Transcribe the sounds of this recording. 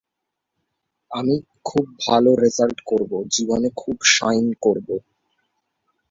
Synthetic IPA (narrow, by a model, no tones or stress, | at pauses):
ami | kʰub̚ːʱaloɾezalʈkoɾbod͡ʑibonekʰubʃajnkoɾbo